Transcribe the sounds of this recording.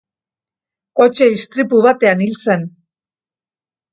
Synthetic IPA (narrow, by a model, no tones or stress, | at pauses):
o̞t͡ʃe̞ist̪ɾipuβat̪e̞anilt͡se̞n